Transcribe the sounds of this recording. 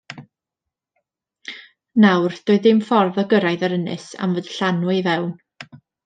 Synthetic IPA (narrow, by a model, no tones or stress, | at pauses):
nawrd̥oɨðɪmfɔrðɔɡəɾajðaɾənɨ̰sa̰mvədɬanwivɛwn